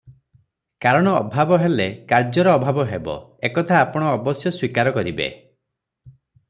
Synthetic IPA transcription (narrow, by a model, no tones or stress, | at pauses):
kaɾɔɽ̃ɔːbʱabɔɦelekaɾd͡ʒɔɾɔːbʱabɔɦebɔ̰ekɔt̪ʰaːpɔɽ̃ɔːbɔsjɔswikaɾɔkɔɾibḛ